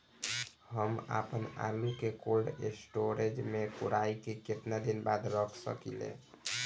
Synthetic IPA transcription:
həma̰pəna̰lukekolɖesʈoɾed͡ʒmekuɾaikeket̪nad̪inbad̪ɾəkʰsə̰kilḛ

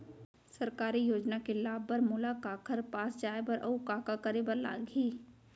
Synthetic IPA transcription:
sɐɾkaːɾijoːd͡ʒnakelaːbəɾmʊlakaːkʰəɾpaːsd͡ʒaːebəɾʔɐukaːkakəɾebəɾla̰ːɡiː

